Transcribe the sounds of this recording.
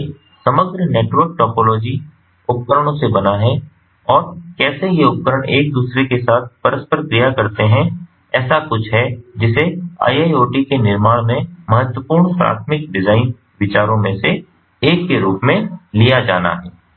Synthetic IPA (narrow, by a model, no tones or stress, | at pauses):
sɐməɡɾneːʈwəɾk̚ʈɔːpoːloːd͡ʒi | ʊp̚kəɾəɽ̃õsebɐnaɦɛ | ɔːɾkɛːsejeʊp̚kəɾəɽ̃eːk̚d̪uːsɾekesaːt̪̚ʰpəɾəspəɾkɾijakɐɾt̪eɦɛ̃ | ɛːsakʊt͡ʃʰɦɛd͡ʒɪsea̰ːiaːjoːʈikenɪɾmaːɽ̃mẽmɐɦət̪wəpuːɾɳpɾa̰ːt̪ʰmɪk̚ɖɪzaːɪn | ʋɪt͡ʃaːɾõmẽse | eːkːeɾuːpmẽlijad͡ʒa̰ːna̰ɦɛː